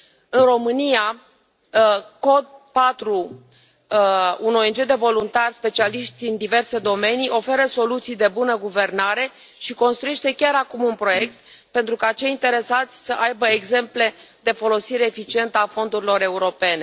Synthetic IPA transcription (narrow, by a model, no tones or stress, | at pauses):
ɨnro̞mɨnia | ko̞d̪̚pat̪ɾu | uno̞end͡ʒe̞d̪e̞vo̞lunt̪arspe̞t͡ʃialiʃt̪ʲɨnd̪ive̞rse̞d̪o̞me̞nijo̞fe̞ɾəso̞lut̪sijd̪e̞bunəɡuve̞rnaɾe̞ | ʃiko̞nst̪ɾuje̞ʃt̪e̞kʲaɾakumunpɾo̞je̞k̚t̪̚ | pe̞nt̪ɾukat͡ʃe̞jint̪e̞ɾe̞sat̪sʲsəʔajbəeɡze̞mple̞ | d̪e̞fo̞lo̞siɾe̞ːfit͡ʃie̞nt̪əafo̞nd̪uɾilo̞ɾe̞uɾo̞pe̞ne̞